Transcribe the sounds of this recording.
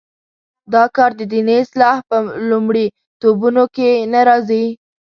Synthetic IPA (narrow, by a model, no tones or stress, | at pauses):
d̪ɑkɑɾd̪əd̪ineslɑhpəlumɽi | t̪obunokenaɾɑzi